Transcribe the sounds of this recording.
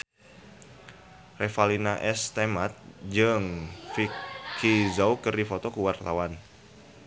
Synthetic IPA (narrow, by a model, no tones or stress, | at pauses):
rʔefalinaʔɛst̪emat̪̚d͡ʒɨŋfikizaukɨrdifot̪ɔkəwart̪awan